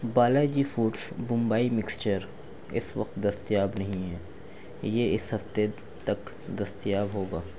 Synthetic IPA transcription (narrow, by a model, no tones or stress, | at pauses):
baːlad͡ʒifuːʈsbʊ̃mbaːimɪkst͡ʃəɾ | ɪ̰sʋɐ̰qt̪d̪ɐst̪ijaːbnɐɦĩɦɛː | jeɪsɦɐft̪e | t̪ɐk | d̪ɐst̪ijaːbɦoːɡaː